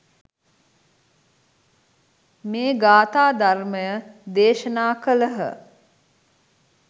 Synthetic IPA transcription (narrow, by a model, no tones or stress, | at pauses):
meːɡaːt̪aːd̪arməjəd̪eːʃənaːkələɦə̰